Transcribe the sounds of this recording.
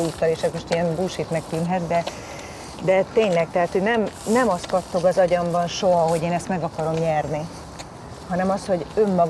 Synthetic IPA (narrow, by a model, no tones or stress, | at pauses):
uːt̪ːɒleːʃɛzmo̞ʃt̪ijɛnbuːʃit̪mɛk̚t̪ynɦɛt̪d̪ɛ | d̪ɛt̪eːɲlɛk̚t̪ɛɦaːt̪ho̞ɟnɛmnɛmɒst̪kɒt̪ːo̞ɡɒzɒɟɒmbɒnʃo̞ɦɒɦo̞ɟeːnɛst̪mɛɡɒkɒɾo̞mɲɛrni | hɒnɛmɒsho̞ɟø̞mːɒɡ